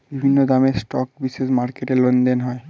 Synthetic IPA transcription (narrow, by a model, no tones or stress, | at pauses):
bibʱinːod̪ameɾsʈɔk̚biʃeʃmaɾkeʈelond̪enɦɔe